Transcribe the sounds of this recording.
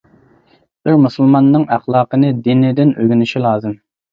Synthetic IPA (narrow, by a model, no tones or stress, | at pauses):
bɪɾmusulˠmɑnːɨŋæχlˠɑːqənɨd̪inɪd̪ɪnøɡʲynɪʃilˠɑːzɨm